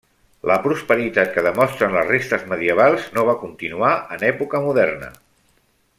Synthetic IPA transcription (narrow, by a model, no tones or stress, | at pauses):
ləpɾuspəɾit̪at̪̚kəðəmɔst̪ɾənləzrest̪əzməðiəβalˠznoβ̞akunt̪inuaʔənɛpukəmuðɛɾnə̰